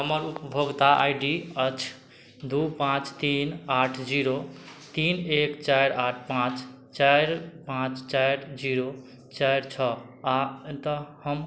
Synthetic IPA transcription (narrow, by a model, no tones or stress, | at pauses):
ɦəməɾupəbʱoɡt̪aʔa̰jɖiət͡ʃʰ | d̪upãt͡ʃt̪inaʈʰd͡ʒiɾot̪inekt͡ʃajɾaʈʰpãt͡ʃ | t͡ʃajɾpãt͡ʃt͡ʃajɾd͡ʒiɾo | t͡ʃajɾt͡ʃʰɔ | at̪əhəm